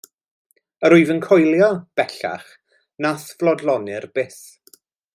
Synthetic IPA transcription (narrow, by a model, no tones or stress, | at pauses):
əɾʊjvənkʰɔjlˠjɔb̥ɛɬa̰χ | nasvlˠɔdlˠɔnɪrb̥ɪs